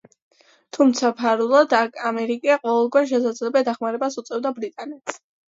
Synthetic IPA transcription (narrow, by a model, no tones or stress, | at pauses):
t̪ʰumt̪sʰapʰaɾulˠɔd̪akʰamɛɾikʼiaqʼɔvɛlˠɡwɛɾʃ̬ɛsad̪zlɛbɛd̪aχmaɾɛbasut̪sʼɛvd̪abɾit̪ʼanɛt̪ʰs